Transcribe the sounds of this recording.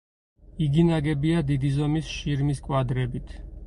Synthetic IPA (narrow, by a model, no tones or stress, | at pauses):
iɡinaɡɛbiad̪id̪izɔmisʃiɾmiskʼwad̪ɾɛbit̪ʰ